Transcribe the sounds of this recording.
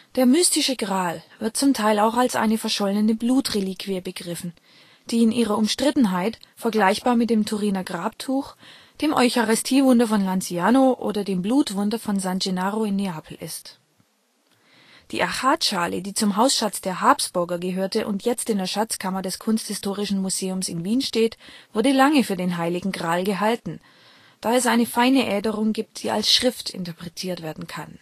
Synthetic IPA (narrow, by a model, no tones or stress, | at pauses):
d̥eːɐmystɪʃəɡ̥ʁaːlv̥ɪɐt̚t͡sʊmtʰaɪlaʊxalsʔa̰ɪnəfɛɐʃɔlnənəbluːtʁeliːkʰv̥iəbəɡʁɪfn̩ | d̥iːɪnʔiːʁ̞ɐʊmʃtʁ̥ɪtn̩ɦaɪtfɛɐɡlaɪçb̥aːɐmɪt̚d̥eːmtʰuʁiːnɐɡʁaːp̚tʰuːx | d̥eːmʔɔʏçaʁɪstʰiːvʊndɐfɔnlant͡siaːnoʔo̰ːdɐdeːmbluːtv̥ʊndɐfɔnzand͡ʒenaːʁoɪnːeaːpʰl̩ʔɪ̰st | d̥ḭːʔaxaːtʃaːlədiːt͡sʊmɦaʊsʃat͡sd̥eːɐɦaɐpsb̥ʊɐɡɐɡəɦøːɐtəʔʊ̰ntʰjɛt͡stɪndeːɐʃat͡skʰamɐdɛskʰʊnsthɪstʰoːʁ̞ɪʃn̩muzeːʊmsɪnviːnʃteːtv̥ʊɐdəlaŋəfyːɐdeːnɦaɪlɪɡŋ̩ɡʁaːlɡəɦaltn̩ | d̥aːɛsʔaɪnəfaɪnəʔɛːdəʁʊŋɡiːp̚td̥iːa̰lsʃʁ̥ɪftʰɪ̰ntɐpʁ̥ɛtʰiːɐtv̥eːɐdn̩kʰan